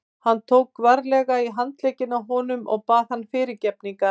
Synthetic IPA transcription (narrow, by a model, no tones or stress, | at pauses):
hanːt̪ʰoːwkːvaɾlɛɣaiɦant̪leːjcɪnawɦɔːnʏmɔ̰ɣpaːð̥hanːfɪːɾɪɾcɛp̚niŋka